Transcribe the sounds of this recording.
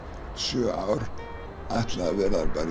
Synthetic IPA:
sʏːawɾ | aht̪lavɛlaɾbaɾ

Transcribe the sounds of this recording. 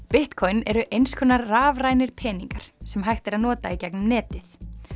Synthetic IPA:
pɪht̪kʰɔjnɛɾʏʔejnskʰœnaɾːaːvrajnɪɾ̥pʰɛːniŋkaɾ̥sɛmɦajxt̪ɪɾaðnɔːt̪aicɛk̚nnɛːt̪ɪθ

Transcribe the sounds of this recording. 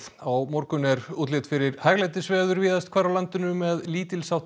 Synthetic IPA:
awmɔɾkʏnɛɾuːt̪lɪt̪fɪɾɪɾ̥haɣlajt̪ɪsvɛːðʏɾviːðast̪kʰvaɾːawlant̪ʏnʏmɛðliːt̪ɪlsawht̪

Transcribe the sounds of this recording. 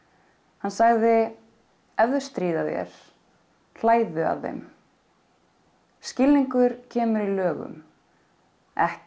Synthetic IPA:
hanːsaɣðɪ | ɛvðʏst̪ɾiːðaðjɛ̰ɾ̥ | l̥aːjðʏa̰ðθḛjm | scɪlniŋkʏɾ̥cʰɛːmʏɾilœːɣʏ̰m | ɛh

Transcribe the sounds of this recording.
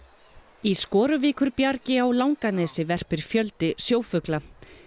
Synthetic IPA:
iskɔːɾʏviːkʏɾpjaɾcɪawlawŋkanɛsɪvɛr̥pɪɾ̥fjœlt̪ɪsjoːwfʏkla

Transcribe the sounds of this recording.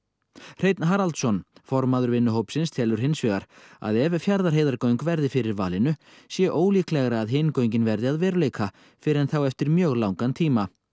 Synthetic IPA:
r̥eːjt̪nɦaːɾalt̪sɔnfɔɾmaðʏɾvɪnːʏɦowpsɪnst̪ʰɛːlʏɾ̥ɦɪnsvɛɣaɾ̥a̰ðɛvʏfjaɾðaɾ̥ɦejðaɾkowɥŋkvɛɾðɪfɪɾɪɾva̰ːlɪnʏ | sjɛʔoːwliːklɛɣaɾaːðɦɪnkoɥɲc̬ɪnvɛɾðɪaðvɛːɾʏleːjkʰa | fɪɾɪɛnθawɛft̪ɪɾmjœːɣlawŋkant̪ʰiːma

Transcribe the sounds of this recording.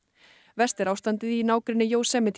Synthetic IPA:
vɛst̪ɛɾawst̪ant̪ɪðinaːwkɾɪnːɪjoːwsɛmɪt̪ʰ

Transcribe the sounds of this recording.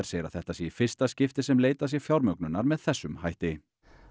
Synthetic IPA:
ɾ̥seːjɪɾa̰θɛht̪asjɛifɪr̥st̪ascɪft̪ɪsɛmleːjt̪asjɛfjawɾmœknʏnaɾmɛðθɛsːʏmhajht̪ɪ

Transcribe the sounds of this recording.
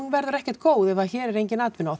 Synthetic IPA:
unvɛɾðʏɾɛhcɛ̥ɾ̥t̪kʰoːwðɛvaçɛːɾɛɾejɲcɪnaːt̪vɪna

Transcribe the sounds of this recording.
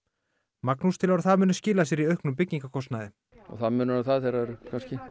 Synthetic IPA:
maknust̪ʰɪlawɾθaðmʏːnːʏ̥scɪːlas̬jɛɾiœhknʏmp̬ɪcɲiŋkakʰɔst̪naðɪ | ɔ̰θaðmʏːnʏɾaθaðθɛjɾaɛɾkʰanscɪ

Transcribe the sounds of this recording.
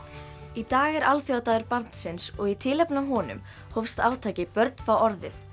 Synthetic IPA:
it̪aːɣɛɾʔalθjawt̪aðʏɾpant̪sɪnsɔɣit̪ʰɪlɛpnamɦɔːnʏ̰m | hɔfst̪aːwt̪ʰaːjcɪpœɾt̪n̥fawɔɾðɪ̰θ

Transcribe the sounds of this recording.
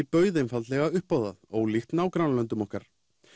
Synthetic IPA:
pœːɥðenfalt̪lɛɣaʏhpːoːwðaðɔɣlixt̪naːwkɾanalœnt̪̬ʏmɔhkaɾ̥

